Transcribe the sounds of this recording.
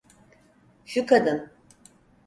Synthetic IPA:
ʃukʰad̪ɯn

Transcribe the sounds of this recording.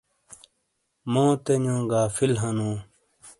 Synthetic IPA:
mõːt̪eɲõːɡaːfilɦɐnũː

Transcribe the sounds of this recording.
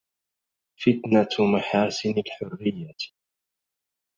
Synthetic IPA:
fɪt̪namaħaːsɪnalħʊrːɪjːa

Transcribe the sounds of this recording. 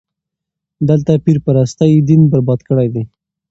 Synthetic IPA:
d̪əlt̪apiɾpəɾast̪ajd̪inbaɾbɑd̪kəɽajd̪e

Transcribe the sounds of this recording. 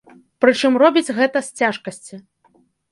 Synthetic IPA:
pɾɨt͡ʂɨmrɔbʲid͡zʲɣɛt̪ɐsʲt͡sʲaʂkɐsʲt͡sʲi

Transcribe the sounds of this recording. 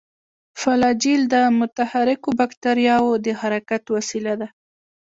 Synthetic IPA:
falɑd͡ʒild̪əmʊt̪ahaɾɪkobakt̪aɾjɑwod̪əhaɾakat̪wasilad̪a

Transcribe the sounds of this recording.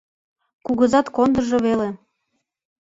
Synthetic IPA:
kuɣɤzɑt̪kond̪ə̆ʒoβele

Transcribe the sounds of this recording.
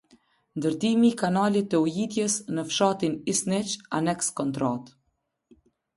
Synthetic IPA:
nd̪əɾt̪imikanalit̪ɛujit̪jəsnəfʃat̪inisnɛt͡ʃa̰nɛkskɔnt̪ɾat̪

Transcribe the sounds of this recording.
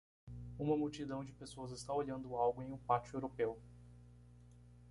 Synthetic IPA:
ũmɐmuwt͡ʃid̪ɐ̃w̃d͡ʒɪpesoɐzɪst̪aoʎɐ̃nd̪ʊawɡʊẽj̃ũpat͡ʃʊewɾopew

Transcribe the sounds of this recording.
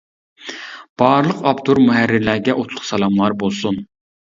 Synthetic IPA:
b̥ɑːɾlˠəqɑbt̪ʰuɾmuɦæɾːɪɾlæɾɡʲɛʔot̪ʰlˠʊχsɑlˠɑmlˠɑɾbolˠsun

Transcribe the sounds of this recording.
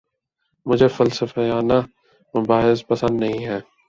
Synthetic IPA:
mʊd͡ʒʱefɐlsəfəjaːna | mʊbaːɦɪspɐsə̃nd̪nɐɦĩːɦɛː

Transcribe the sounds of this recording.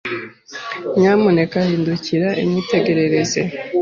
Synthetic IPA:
ɲamune̞kahiːnduciɾaʔḭmite̞ɡe̞ɾe̞ɾe̞zḛ

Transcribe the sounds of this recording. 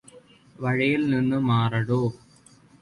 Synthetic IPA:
ʋɐɻijilninːɨmaːrɐɽoː

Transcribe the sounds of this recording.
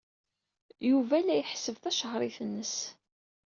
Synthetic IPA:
juvælːæjəħsəvθæʃəʁɾˤiθənːəs

